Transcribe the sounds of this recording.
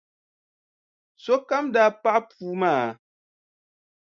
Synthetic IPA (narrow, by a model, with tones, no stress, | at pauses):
so˦ka˦mda˦pa˦ʔpu˦maː˦˨